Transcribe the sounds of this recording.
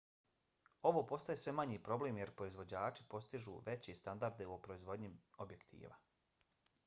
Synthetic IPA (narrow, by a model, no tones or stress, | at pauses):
o̞ʋoːpo̞st̪ajesʋe̞maɲiːpɾo̞bleːmje̞ɾpɾo̞izʋo̞d͡ʑaːt͡ʃi̥po̞st̪iʒṵʋe̞t͡ɕest̪and̪aɾd̪eopɾo̞izʋo̞d̪ɲiobje̞kt̪ʰḭːʋa̰